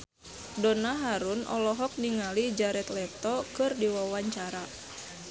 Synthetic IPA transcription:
dɔnaɦaɾunɔ̰lɔɦɔk̚niŋalid͡ʒaɾɛt̪lɛt̪ɔkɨrdiwawaɲt͡ʃaɾa

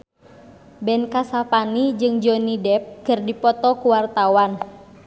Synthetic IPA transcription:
bɛnkasapanid͡ʒɨŋd͡ʒɔnidɛp̚kɨrdipɔt̪ɔkuwart̪awan

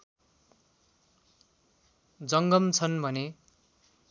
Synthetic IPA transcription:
d͡zʌŋɡʌmt͡sʰʌnbʱʌne

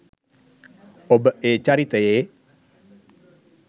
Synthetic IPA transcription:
obəʔet͡ʃaɾit̪əje

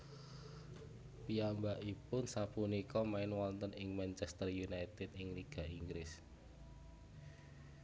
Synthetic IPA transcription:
piambaʔipʊnsapunikɔmaɪnwɔnt̪ənɪŋmant͡ʃɛst̪ərjunait̪ɪd̪ɪŋliɡ̥a̤ʔiŋɡɾɪs

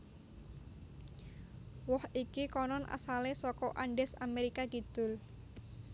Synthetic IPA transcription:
wɔhikikɔnɔnʔa̰salesɔkɔʔaɳɖɛsameɾikakid̪̥ʊ̤l

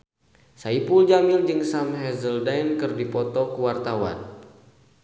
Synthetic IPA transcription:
saipuld͡ʒamild͡ʒɨŋsamɦɛzəldajnkɨrdipɔt̪ɔkəwart̪awa̰n

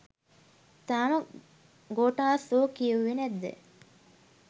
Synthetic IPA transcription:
t̪aːmɐ | ɡoːʈaːsoːkijuʋinæd̪ːḛ

